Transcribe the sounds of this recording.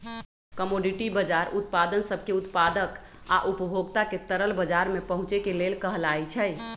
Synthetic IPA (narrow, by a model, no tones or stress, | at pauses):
kəmoɖiʈibəd͡ʒaɾut̪̚pad̪ənsəbʱkeut̪pad̪ək | aʔupəbʱoɡt̪aket̪əɾəlbəd͡ʒaɾmepəɦũt͡ʃekelelkəɦəlajt͡ʃʰəj